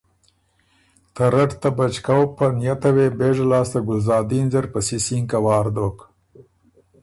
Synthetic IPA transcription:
t̪aɾaʈt̪abat͡ʃkawpanjat̪aweːbeːʐalɑːst̪aɡʊlzɑːd̪inzaɾpəsisiŋkawɑːɾd̪oːk

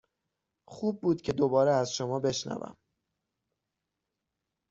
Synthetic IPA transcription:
xuːb̚ːuːd̪̥cʰe̞d̪o̞bɒːɾeæzʃomɒːbe̞ʃnæ̰væ̰m

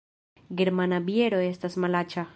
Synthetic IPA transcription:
ɡeɾmanabjeɾoest̪asmalat͡ʃa

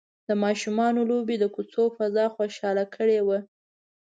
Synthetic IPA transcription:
d̪əmɑʃumɑnolobed̪əkut͡sofazɑxoʃɑlakʰəɽewa

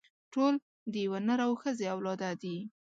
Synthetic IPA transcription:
ʈol | d̪əjawanəɾawxəzeawlɑd̪ad̪i

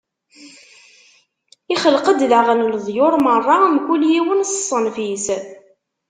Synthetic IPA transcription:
iχəlqəd̪laʁənlðˤjʊɾˤmərˤːɑmkʷuljiwənsə̥sˤːənfis

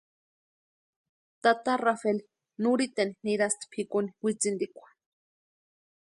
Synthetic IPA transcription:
t̪at̪arafeli | nuɾit̪eniniɾast̪pʰikuniwit͡sind̪ikʷḁ

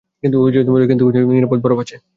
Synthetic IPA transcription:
kint̪uobʱid͡ʑod̪muleokint̪uobioiɾapod̪̚bʱɔɾobat͡ɕʰe

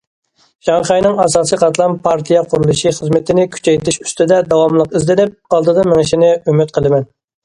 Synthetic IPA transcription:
ʒɑŋχɑjnɨŋɑsɑːsijqʰɑt̪lˠɑnpʰɑɾt̪ʰijɑqʰʊɾulˠɨʃiχəzmɪt̪ʰɪnɪkʲʰy̥t͡ʃʰɛjt̪ʰɪʃy̥st̪ɪd̪ɛd̪ɑwɑmlˠəqizlɪnɪp̚ɑlˠd̪ɨd̪ɑmɪŋɪʃinɪymyt̪̚qʰəlˠɨmɛn

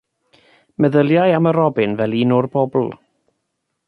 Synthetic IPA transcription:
mɛðəlˠjajaməɾɔbɪnvɛlˠiːnɔrbɔbl̩ˠ

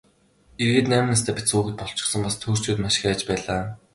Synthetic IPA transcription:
erɣeːt̪næːmɘ̆nas̬t̪ʰæːpʲisuːɣɘ̆t̪̚pɔɬt͡ɕɪ̥̆χsə̆mpast̪ʰuːr̥t͡ɕuːt̪maʃɪ̆xæːt͡ɕpæːɮaː

